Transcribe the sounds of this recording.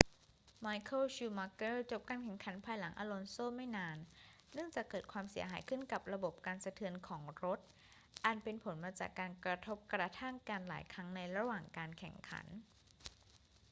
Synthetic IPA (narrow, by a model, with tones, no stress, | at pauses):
maː˧˥jkʰo˥˩ɕuː˧ma˧kɤː˥˩t͡ɕo˨˩p̚kaː˧nkʰɛ˨˩ŋkʰa˩˦npʰaː˧jla˩˦ŋʔaː˧lo˧nsoː˥˩ma˥˩jnaː˧nː | ɯ˥˩əŋt͡ɕaː˨˩kːɤː˨˩t̪̚kʰwaː˧msi˨˩˦ɐɦaː˩˦jkʰɯ˥˩nka˨˩p̚ɾa˧bo˨˩p̚kaː˧nsa˧t̪ʰɯ˧ənkʰɔː˩˦ŋɾo˦˥t̪̚ | ʔa˨˩npe˧npʰo˩˦nmaː˧t͡ɕa̰ː˨˩kːaː˧nkɾa˧t̪ʰo˦˥p̚kɾa˧t̪ʰa˥˩ŋkaː˧nla̰ː˩˦jkʰɾa˦˥ŋna˧jɾa˧waː˨˩ŋkaː˧nkʰɛ̰˨˩ŋkʰa̰˩˦n